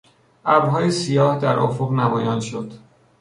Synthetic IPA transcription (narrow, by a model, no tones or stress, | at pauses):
ʔæbɦɒːjesijɒːhd̪æɾʔo̰foɣnæmɒːjɒːnʃod̪̥